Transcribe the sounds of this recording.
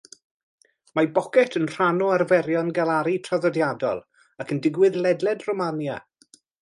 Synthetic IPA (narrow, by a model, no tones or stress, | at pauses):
mabɔkɛtʰənr̥anɔarvɛɾjɔnɡalˠaɾitʰraðɔdjadɔ̰lˠ | akʰəndɪɡwɨðlɛdlˠɛdrɔmanja̰